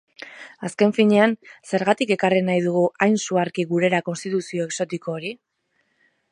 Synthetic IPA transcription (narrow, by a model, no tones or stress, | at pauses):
aske̞ɱfiɲe̞anse̞ɾɣat̪ike̞karinajð̞uɣuʔajnsuaɾkiɣuɾe̞ɾako̞nst̪it̪usio̞e̞kso̞t̪iko̞ːɾi